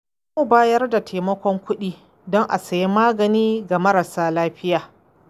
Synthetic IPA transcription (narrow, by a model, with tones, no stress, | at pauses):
mu˨baː˦jɐ˦rda˨tʰeː˨mɐ˦kʷɔ˦ŋkʷʊ˦ɗiː˦ | dɔ˦ŋʔa̰˨sɐ˨ji˦maː˦ɡɐ˨niː˦ɡa˨mɐ˦ɾa˨saː˦laː˦ɸɪ˦jaː˨